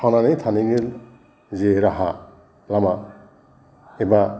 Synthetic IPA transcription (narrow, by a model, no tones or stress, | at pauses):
ananejt̪ʰaniŋil | zeɾaɦa | lama | eba